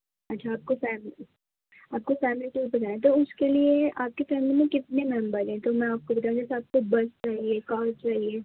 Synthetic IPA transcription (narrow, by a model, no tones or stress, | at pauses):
ɐtːʃʰaːp̚kofɛːmli | aːp̚kofɛːmliʈuːɾ̚bɐt̪aːẽt̪̬oʊskelieaːp̚kefɛːmlimẽkɪt̪̚nemɛ̃mbəɾɦɛ̃t̪omɛ̃aːp̚kobɐt̪aːũd͡ʒɛsaːp̚kobɐst͡ʃaːɦiekaːɾ̚t͡ʃaːɦieː